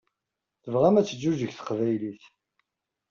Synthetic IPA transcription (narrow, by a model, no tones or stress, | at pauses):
θəvʁæmæt͡sːəd͡ʒːuʒəçθə̥qvæjliθ